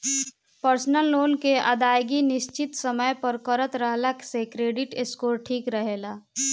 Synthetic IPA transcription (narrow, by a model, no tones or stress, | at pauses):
pəɾsnəlːoːnkeʔa̰d̪aːjɡinɪʃt͡ʃɪt̪səməjpəɾkəɾət̪ɾəɦlaksekɾeːɖɪʈɪskoːɾʈʰiːkɾəɦelaː